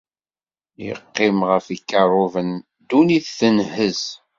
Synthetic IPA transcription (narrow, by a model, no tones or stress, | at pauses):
jə̰qːɪmʁəfikːərˤʊvən | d̪uniθθənhəz